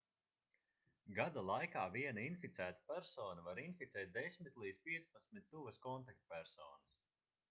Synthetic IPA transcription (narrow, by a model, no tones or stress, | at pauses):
ɡad̪alˠajkaːviɛnainfit̪sæːt̪ḁpʲæɾsɔːnavaɾinfit̪sɛːt̪̚d̪esʲmit̪ʲlˠiːd̪zpiɛt̪spat̪smit̪̚ʲt̪uvəskɔnt̪ak̚t̪pʲæɾsɔːnɐs